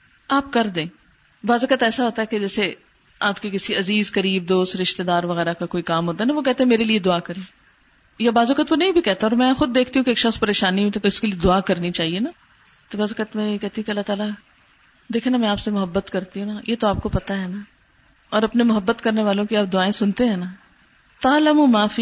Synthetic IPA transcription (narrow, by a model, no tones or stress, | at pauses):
aːp̚kɐɾd̪ẽː | baːzʊkət̪ɛːsaɦoːt̪aɦɛked͡ʒɛːse | aːpkikɪsiɐziːzkɐɾiːb̚d̪oːst̪ɾɪʃt̪ed̪aːɾʋɐɣɛːɾakakoːikaːmɦoːt̪aɦɛnaʋokɛɦt̪eɦɛ̃meːɾelied̪ʊaːkɐɾẽː | jabaːzʊkət̪konɐɦĩbʱikɛɦt̪aɔːɾmɛ̃xʊd̪̚ːeːkʰt̪iɦũkeːkʃɐspɐɾeːʃaːniĩt̪okeʊskelied̪ʊaːkɐɾnit͡ʃaːɦiena | t̪obaːzʊkət̪mɛ̃jekɛɦt̪iɦũkeɐlːat̪aːla | d̪eːkʰenamɛ̃aːpsemʊɦəbːət̪kɐɾt̪iɦũnajʔet̪oaːp̚kopɐt̪aɦɛnaː | ɔːɾɐpnemʊɦəbːət̪kɐɾneʋaːlõkiaːp̚d̪ʊaːẽsʊnt̪eɦɛ̃ːnaː | t̪aːlɐmumaːfi